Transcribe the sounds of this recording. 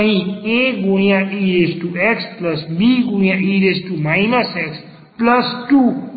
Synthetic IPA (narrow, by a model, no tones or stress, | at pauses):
ɦĩekɡojãʔiesʈueksplʌsbiɡujãiɾesʈumajnʌseks | plʌsʈu